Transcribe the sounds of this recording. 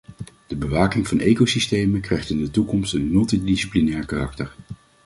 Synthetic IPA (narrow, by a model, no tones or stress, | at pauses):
d̥əbəʋaːkɪŋvɑnʔejkosistejməkrɛjχtɪndətukɔmstənmɵlˠtidisiplinɛːɹkaːrɑk̚təɹ